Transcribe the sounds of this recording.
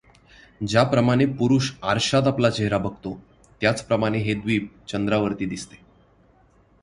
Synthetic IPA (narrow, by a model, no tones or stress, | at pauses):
d͡ʑjapɾəmaɽ̃epuɾuːɕaɾɕat̪aplat͡ɕeɦɾabəɡʱt̪o | t̪jat͡spɾəmaɽ̃eɦed̪ʋiːp̚t͡ɕənd̪ɾaʋəɾt̪iːd̪ist̪e̥